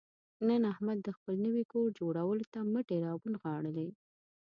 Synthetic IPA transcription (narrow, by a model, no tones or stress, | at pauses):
nənahmad̪̚ːəxpəlnəwikoɾd͡ʒoɽawəlot̪aməʈeɾɑbunɣɑɽəle